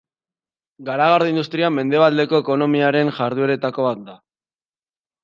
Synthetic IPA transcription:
ɡaɾaɣ̞aɾðeind̪ust̪ɾiame̞nd̪e̞βald̪e̞ko̞eko̞no̞miaɾe̞nʝaɾðue̞ɾe̞t̪ako̞βat̪̚d̪a

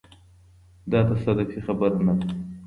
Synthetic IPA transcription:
d̪ɑt̪asad̪afixabaɾnad̪

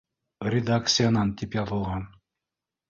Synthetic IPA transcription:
rʲɪd̪akt̪sɨjanɑnt̪ipjɑt̪ɤ̆lˠʁɑn

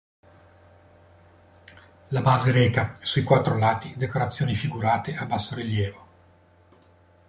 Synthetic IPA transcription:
labaːzeɾɛːkasuikwat̪ːɾolaːt̪id̪ekoɾat̪sːjoːnifiɡuɾaːt̪eabːasːoɾiljɛːvo

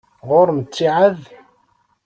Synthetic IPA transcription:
ʁʊɾmət͡sːiʕað

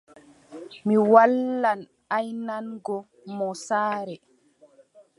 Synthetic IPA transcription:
miwalːan | ajnanɡɔ | mɔsaːɾɛ

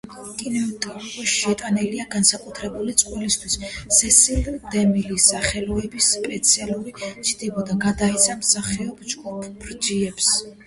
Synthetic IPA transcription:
kʼinɛt̪ʼɔɔʃɛt̪ʼanɛliaɡansakʼut̪ʰɾɛbulit̪sʼqʼwɛlist̪ʰwisːɛsild̪ɛmilisaχɛlɔɛbispʼɛt̪sʰialˠuɾit͡ʃʰd̪̥ibɔd̪aɡad̪ait̪sʰamsaχɛɔbd͡ʒɡupʰːɾd͡ʒiɛps

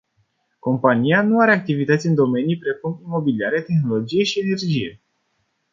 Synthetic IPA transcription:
ko̞mpanijanuaɾe̞ak̚t̪ivit̪ət̪sʲɨnd̪o̞me̞nijpɾe̞kumimo̞biliaɾe̞t̪e̞xno̞lo̞d͡ʒije̞ʃie̞ne̞rd͡ʒije̞

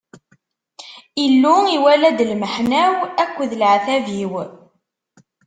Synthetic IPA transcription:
ilːuiwælæd̪lməħnæwækʷːðləʕθæviw

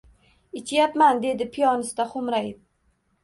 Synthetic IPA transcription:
ɪt͡ʃʰjapmand̪e̞d̪ɪpʰijɒnɪst̪aχʊmɾajt̪̚

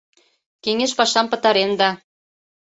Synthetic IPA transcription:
keŋeʃpɑʃɑmpə̆t̪ɑɾend̪ɑ

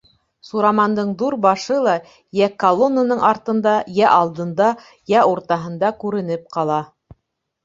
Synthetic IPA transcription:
suɾɑmɑnd̪ɤɴðuɾbɑʃɤlˠɑ | jækɐlˠonːanɤɴʔɑɾt̪ɤ̆nd̪ɑjæʔɑlˠd̪ɤ̆nd̪ɑ | jæuɾt̪ɑɦɤ̆nd̪ɑkʉɾɘ̆nɘp̚qɑlˠɑ

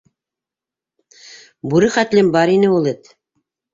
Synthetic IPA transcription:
buɾɘχæt̪lɘmbɑɾinɘulˠɘt̪

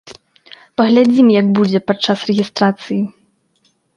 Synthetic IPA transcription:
pɐɣlʲad͡zʲimjaɡbud͡zʲɛpatt͡ʂasrɛɣʲist̪ɾat̪sɨji

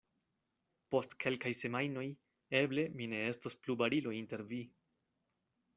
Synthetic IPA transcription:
po̞stkʰe̞lkajse̞majno̞j | e̞ble̞mine̞e̞stosplubaɾilointe̞ɾvi

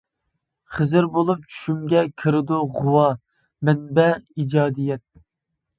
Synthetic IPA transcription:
χəzɪɾbolˠup̚t͡ʃʰy̥ʃymɡʲɛkʲʰɪɾɪd̪uʁʊwɑ | mɛnbɛid͡ʒɑːd̪ijɛt̪̚

